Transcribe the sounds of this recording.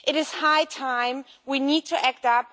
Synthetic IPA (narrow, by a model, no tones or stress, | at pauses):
ʔɨɾɨz̥haɪtʰãɪ̃mwinid̚tʰɨʔæk̚tʌp̚